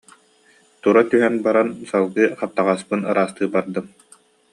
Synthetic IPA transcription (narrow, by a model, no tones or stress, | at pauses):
t̪uɾat̪yɦɛnbaɾansalˠɡɯːχap̚t̪aʁaspɯnɯɾaːst̪ɯːbaɾd̪ɯm